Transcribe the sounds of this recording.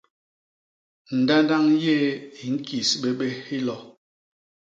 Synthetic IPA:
n̩˨da˦nda˦ŋje˦i˨ŋ̩˦ki˨sɓe˦ɓe˦hi˦lɔ˨

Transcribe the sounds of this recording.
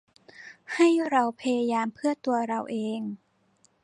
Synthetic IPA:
ha˥˩jɾa˧wpʰa˧ja˧jaː˧mpʰɯ˥˩ɐt̪u˧ɐɾa˧wʔeː˧ŋ

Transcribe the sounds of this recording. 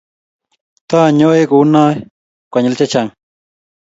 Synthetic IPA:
t̪a˦˨ɲo˦e˦ku˦na˦j | kʷa˨ɲe˨lt͡ʃa˦t͡ʃa˨ŋ

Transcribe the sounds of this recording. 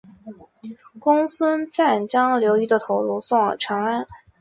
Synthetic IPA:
kʊ˥ŋsə˥nt͡sa˥˩nt͡ɕjɑ˥ŋljo˧˥ʊy˧˥d̪ə˧t̪ʰo˧˥ʊlu˥sɑ˥˩ŋ˨˩ʈ͡ʂʰɤ˧˥ŋa˥n

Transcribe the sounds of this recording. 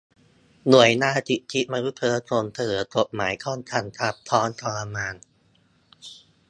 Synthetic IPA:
nu˨˩əjnaː˧t͡ɕ̪i˨˩ʔ̚t̪ʰi˦˥ʔ̚maː˧nu˦˥t̪̚pʰɤː˧k̪ʰoː˧nt̪ʰɤː˨˩˦k̪o˨˩p̚ma̰ː˩˦jkʰɔː˥˩nt̪ʰa˧˩nt̪ʰa˦˥p̚t̪ʰɔː˦˥nkʰɔː˧la˧maː˧n

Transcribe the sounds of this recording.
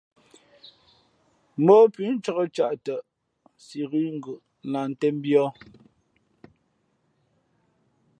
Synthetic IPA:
m̩ɔ˦pɥi˨˦n̩˦t͡ʃɔ˦ɣə˦˨t͡ʃa˦˨ʔtə˨ʔ | si˨ɣi˦ŋ̩˦ɡʉ˨ʔla˨n̩˦tɛ˦m˦bjɔ˦

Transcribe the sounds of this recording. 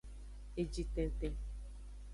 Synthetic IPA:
e˨d͡ʒi˦tɛ̃˨˦te˦

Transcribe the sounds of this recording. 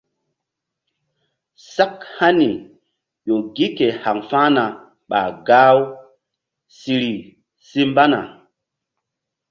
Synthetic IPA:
sa˦kha˦ni˨ | jo˨ɡi˦ke˨ha˨ŋfa˦na˨ | ɓa̰˨ɡa˦w | si˨ɾi˨ | si˦mba˦na̰˨

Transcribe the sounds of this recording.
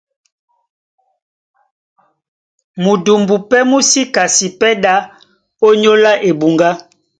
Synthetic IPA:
mu˨du˨mbu˨pɛ˦mu˦si˦ka˨si˨pɛ˦da˦ | o˦ɲo˦la˦ʔe˨bu˨ŋɡa˦

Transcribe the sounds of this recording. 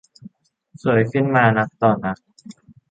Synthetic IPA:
su˩˦jkʰɯ˥˩nmaː˧na˦˥k̚t̪ɔː˧˩nʔa˧˥k̚

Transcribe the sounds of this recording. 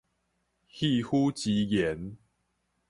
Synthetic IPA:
hi˥˧hu˦t͡ɕi˨˦jɛ˨˦n

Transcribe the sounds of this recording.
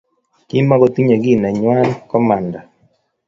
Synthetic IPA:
ki˦mːa˦ɡɔ˦t̪i˦ɲe˨ɡi˦na˨ɲwa˦nkɔ˦ma˨nda˨

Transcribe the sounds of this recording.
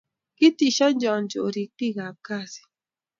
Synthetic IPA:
ki˦ti˨ʃa˦n˦d͡ʒɔ˨nd͡ʒo˨o˨ɾi˨ti˦ɣa˨ka˦˨si̥˨

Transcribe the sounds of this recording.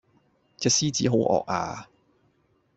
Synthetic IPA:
t͡sɛː˧˩siː˥t͡siː˨˥ɦo˨˥wʔɔ̰ː˨k̚a̰ː˧

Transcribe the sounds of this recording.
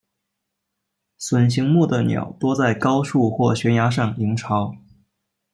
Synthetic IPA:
swə˨˩nɕi˧˥ŋmu˥˩d̪ə˩njɑ̰˨˩ʊt̪wɔ˥t͡sa˥˩ɪkɑ˥ʊʂu˥˧xwɔ˥˩ɕɥɛ˧˥nja˧˥ʂ̬ɑ˥˩ŋi˧˥ŋʈ͡ʂʰɑ˧˥ʊ

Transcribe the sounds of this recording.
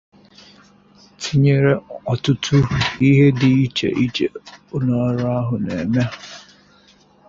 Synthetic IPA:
tʰi˦ɲe˦ɾe˦ɔ˨tʊ˦tʰʊ˦i˦ɦe˦dɪ˨i˦t͡ʃḛ˨ʔi˦t͡ʃḛ˨ʊ˦nɔ˨˦ɾʊ˦a˦ɦʊ˨nḛ˨me˦˨

